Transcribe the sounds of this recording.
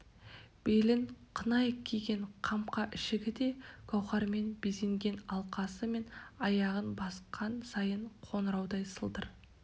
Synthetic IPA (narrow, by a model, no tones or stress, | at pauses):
b̥elɪŋqʰənɑjkʲʰiɡʲe̞ɴqʰɑmqɑʔɪʃɪɡʲɪd̪e̞ɡ̥ʰɑwχɑɾme̞nbezeŋɡʲe̞nɑlˠqɑsəme̞nɑjɑʁənbɑsqʰɑnsɑjəɴqʰo̞nəɾɑwd̪ɑjsəlˠd̪əɾ